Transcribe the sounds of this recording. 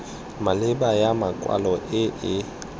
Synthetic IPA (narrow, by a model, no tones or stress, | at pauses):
malɪbajamakʼwa̰lɔʔɪʔɪ